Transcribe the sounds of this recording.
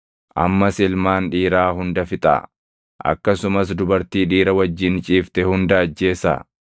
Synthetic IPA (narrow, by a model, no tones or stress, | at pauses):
ʔɐ̰mːɐsɪlmaːnᶑiːɾaːɦʊnd̪ɐfɪt̪ʼa̰ː | ʔɐ̰kːɐsʊmɐs̬d̪ʊbɐɾt̪iːᶑiːɾɐwɐd͡ʒːɪnt͡ʃʼiːft̪ɛhʊnd̪ɐːd͡ʒːe̞ːsa̰